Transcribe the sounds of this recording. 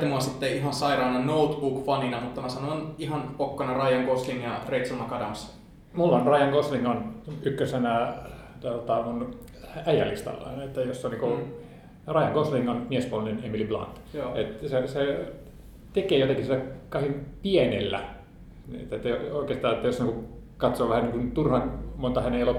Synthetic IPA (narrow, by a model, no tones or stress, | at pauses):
t̪imuɑsit̪ːeiɦɑnsɑirɑːnɑnout̪bukfɑninɑmut̪ːɑmæsɑnoɑnihɑnpokːɑnɑrɑjɑŋkoslinjɑreit̪sulmɑkɑdɑms | mulːonrɑjɑŋkosliŋɡonykːøsenæt̪olt̪ɑmun | æijælḭst̪ɑ̰lːɑ̰et̪ːæjosːoniːŋku | rɑijɑŋkosliŋɡonmiespuolninemiliblɑ̰nt̪et̪sese | t̪ekeːjot̪eŋkisit̪ːækɑihimpienelːæ̰ | n̰ḛt̪ːæet̪ːæjooˑikeːst̪ɑːet̪ːæjosniŋku | kɑt̪soːʋæhæniːŋkunt̪urhɑnmont̪ɑhæneelo